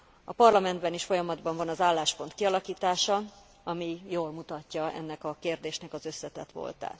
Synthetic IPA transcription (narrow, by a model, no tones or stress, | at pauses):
ɒpɒrlɒmɛnd̪bɛniʃfo̞jɒmɒd̪bɒɱvɒnɒzaːlːaːʃpo̞nt̪̚kiɒlɒkiːt̪aːʃɒ | ɒmijoːlmut̪ɒcːɒɛ̰nːɛkɒkeːrd̪eːʃnɛkɒzø̞sːɛt̪ɛt̪ʋo̰lt̪a̰ːt̪